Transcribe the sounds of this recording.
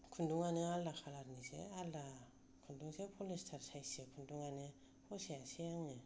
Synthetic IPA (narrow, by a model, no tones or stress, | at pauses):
kʰunduŋanealːakʰalaɾnisḛalːa | kʰunduŋsepʰolistʰaɾsajsekʰunduŋane | pʰoseasejaŋe